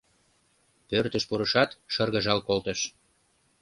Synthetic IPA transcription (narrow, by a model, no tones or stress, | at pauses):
pørt̪əʃpuɾə̆ʃɑt̪ʃərɣə̆ʒɑlkolt̪ə̆ʃ